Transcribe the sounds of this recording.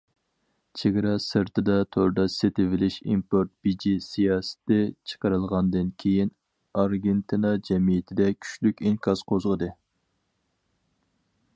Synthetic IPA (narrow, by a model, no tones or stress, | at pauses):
t͡ʃʰeɡʲɾɑsɨɾt̪ʰɨd̪ɑt̪ʰoɾd̪ɑset̪ɪvɪlɪʃḭmpoɾt̪̚b̥id͡ʒisijɑːsɨ̥t̪ɪt͡ʃʰə̥qəɾɨlˠʁɑnd̪ɨnkʲʰejin | ɑɾɡʲent̪ʰɨnɑd͡ʒɛmijɪt̪ʰɪd̪ɛkʲʰy̥ʃlykʲiŋkʰɑz̥qʰozʁəd̪ɨ